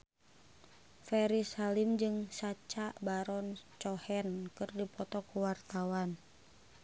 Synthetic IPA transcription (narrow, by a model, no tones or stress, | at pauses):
fɛɾisalimd͡ʒɨŋsat͡ʃabaɾɔnt͡ʃɔhɛnkɨrdipɔt̪ɔkuwart̪awan